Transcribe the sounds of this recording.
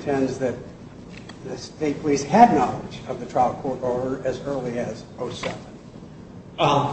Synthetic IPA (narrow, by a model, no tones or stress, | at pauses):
tʰɛ̃ndzðɨt̪̚ | ðɨsteɪpʰl̥ishɨdⁿnɑlˠə̰d͡ʒʌvðɨtʰɹ̥aɪlˠkʰɔɹɾɔɹɾə˞ʔɨzɜ˞lˠiɨzoʊsɛvə̃n